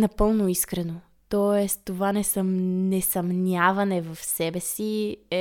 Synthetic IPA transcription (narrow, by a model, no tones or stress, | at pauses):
nɐpɤlˠnoiskɾɛno | t̪ɔɛst̪t̪ovanɛsɐmnɛsɐmnʲavɐnɛvɐfsɛbɛsiɛ